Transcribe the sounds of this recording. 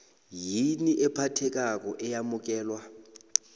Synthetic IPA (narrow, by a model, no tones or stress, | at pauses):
jiniʔɛpʰatʰɛk̬ʼak̬ʼɔʔɛjamʊk̬ʼɛːlwa